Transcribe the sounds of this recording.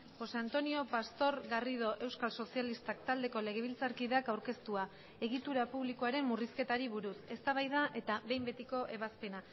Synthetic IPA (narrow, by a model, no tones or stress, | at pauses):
xo̞seant̪o̞nio̞past̪o̞ɾɣariðo̞ʔe̞wskalso̞sialist̪ak̚t̪ald̪e̞ko̞le̞ɣe̞β̞ilt͡saɾkiðeakawɾke̞st̪ua | e̞ɣ̞it̪uɾapuβlikoaɾe̞mːuriske̞t̪aɾiβuɾuse̞st̪aβ̞ajðaʔe̞t̪aβe̞jmbe̞t̪iko̞ʔe̞βaspe̞na